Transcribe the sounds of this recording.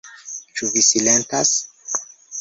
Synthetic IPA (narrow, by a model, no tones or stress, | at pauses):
t͡ʃuvisilentas